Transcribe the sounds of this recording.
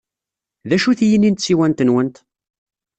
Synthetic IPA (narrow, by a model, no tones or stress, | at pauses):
ðæʃuθjənːint̪siwænt̪ənwənt̪